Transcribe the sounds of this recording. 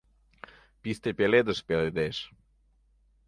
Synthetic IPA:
pist̪epʲeled̪əʃpeled̪eʃ

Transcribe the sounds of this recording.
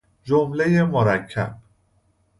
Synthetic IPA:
d͡ʒomle̞je̞moɾæcʰːæ̰b̥̚

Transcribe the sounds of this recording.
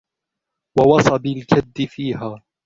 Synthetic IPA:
wɑwɑsˤɑbɪlkad̪ːɪfiːɦaː

